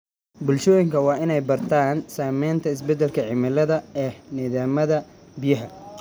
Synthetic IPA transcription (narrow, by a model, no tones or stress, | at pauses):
bʊlʃɔːjɪŋkʰɐwɑːɪnɛjbɐrt̪ʰaːnsaːmɛjnt̪ʰɐɪs̬bɛd̪ːɛlkʰɐʕɪmɐlɐðɐɛːnɪðaːmɐðɐbijɐɦɐ